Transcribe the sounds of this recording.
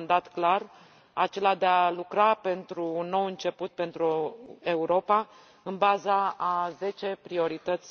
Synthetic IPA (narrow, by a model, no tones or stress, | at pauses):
nd̪at̪klar | at͡ʃe̞lad̪ealukɾape̞nt̪ɾuːnːo̞wɨnt͡ʃe̞put̪̚pe̞nt̪ɾue̞uɾo̞pa | ɨnbazaːze̞t͡ʃe̞pɾio̞ɾit̪ət̪sʲ